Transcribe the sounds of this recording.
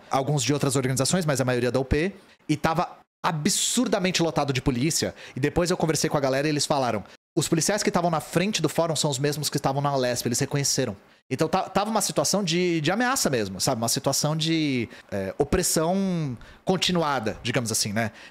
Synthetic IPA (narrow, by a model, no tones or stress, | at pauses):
awɡũzd͡ʒɪowt̪ɾɐzoɾɡɐnizasõj̃smɐjzɐmajoɾiɐd̪ɐupe | ɪt̪avɐ | abɪsuɾd̪ɐmẽnt͡ʃɪlot̪ad̪ʊd͡ʒɪpolisiɐɪd̪epojzewkõveɾsejkõɐɡalɛɾɐielɪsfalaɾɐ̃w̃ | ʊspʊlisiajskɪst̪avɐ̃w̃nɐfɾẽnt͡ʃɪd̪ʊfɔɾõsɐ̃w̃ʊzmezmʊskɪst̪avɐ̃w̃nɐolɛspɪɐelɪsz̥hekõɲeseɾɐ̃w̃ | ẽt̪ɐ̃w̃t̪avɐt̪avɐũmɐsit̪uasɐ̃w̃d͡ʒɪd͡ʒɪameasɐmezmʊsabɪũmɐsit̪uasɐ̃w̃d͡ʒɪɛopɾesɐ̃w̃kõt͡ʃinuad̪ɐd͡ʒiɡɐ̃mʊzasĩnɛ